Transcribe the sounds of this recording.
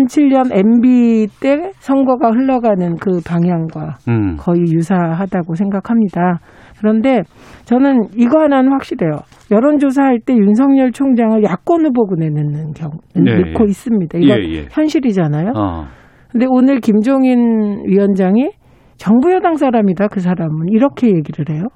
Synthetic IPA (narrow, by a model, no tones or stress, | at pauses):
nt͡ɕʰiʎɲʌne̞mbit͈e̞sʰʌŋɡʌɡahɯɭːʌɡanɯnkɯpaŋɦjaŋɡwakʌijusʰaɦadaɡosʰe̞ŋɡakʰamɲida | kɯɾʌnde̞t͡ɕʌnɯniɡɦananɸwak̚ɕ͈iɾe̞jo | jʌɾʌnd͡ʑos̬ʰahaɭt͈e̞juns̬ʰʌŋɲʌɭt͡ɕʰoŋd͡ʑaŋɯɭjak͈ʌnɯboɡunenɯnɯnkjʌŋmikʰːois͈ɯmɲidaiɡʌn̰çjʌnɕʰiɾid͡ʑanajo | kɯnde̞onɯɭkimd͡ʑoŋinɥiwʌnd͡ʑaŋi | t͡ɕʌŋbujʌdaŋs͈ʰaɾamidakɯs̬ʰaɾamɯniɾʌkʰe̞je̞ɡiɾɯɭhe̞jo